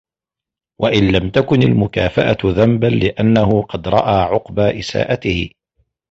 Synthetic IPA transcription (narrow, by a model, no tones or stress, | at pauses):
wʔaʔɪnlamt̪akʊnɪlmʊkaːfaʔaðambanlɪʔanːahʊqɑd̪ɾˤɑ̰ʔaːʕʊqbaːʔɪsa̰ːʔat̪ɪhɪ̰